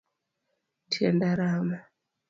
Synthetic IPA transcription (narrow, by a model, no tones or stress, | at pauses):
tiḛndaɾama